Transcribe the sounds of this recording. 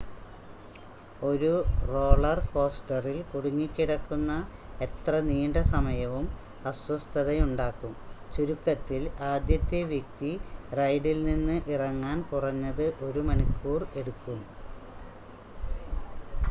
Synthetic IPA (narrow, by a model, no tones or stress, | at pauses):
o̞ɾuro̞ːɭɐrko̞ːsʈɐrilkuɽuŋːikʲːiɽɐkːunːɐe̞t̪rɐniːɳɖɐsɐmɐjɐʋum | ɐswɐst̪ʰɐðɐjuɳɖaːkːumt͡ɕuɾukːɐt̪ːilaːd̪jɐt̪ːjeʋjek̚t̪irɐjɖilninːɨʔirɐŋːaːnkurɐɲːɐðɨʔo̞ɾumɐɳikːuːre̞ɽukːum